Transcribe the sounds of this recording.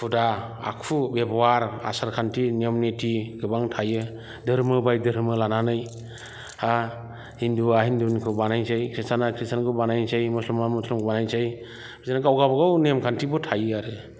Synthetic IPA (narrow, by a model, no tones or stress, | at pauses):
pʰudaa̰kʰubebɔwaɾa̰saɾkʰantʰiniɔmnetʰiɡɯbaŋtʰajɯ | dɯɾmɯbajdɯɾmɯlananɯj | a | hinduaɦindunikʰɯbanajsɯjkʰɾistʰanakʰɾistʰankʰɯbanajnsejmuslumamuslɔmɡɯbanajnsej | bʰisanaɡawɡabaɡawnemkʰantʰibɔtʰajɯaɾɯ